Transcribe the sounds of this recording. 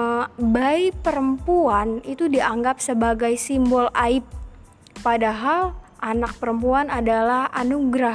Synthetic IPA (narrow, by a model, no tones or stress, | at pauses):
baipəɾəmpuanit̪udiaŋɡap̚səbaɡajsimbɔlaɪp̚ː | adaɦalʔanak̚pəɾəmpuanadalahanuɡɾah